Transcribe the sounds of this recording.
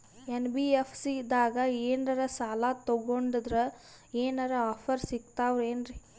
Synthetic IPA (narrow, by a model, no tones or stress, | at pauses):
enbiepʰsid̪aːɡɐeːnɐɾɐsaːlat̪ɔɡoɳɖid̪ɾɐ | eːnɐɾɐaːpʰɐɾsiɡt̪aːʋɾeːnɾi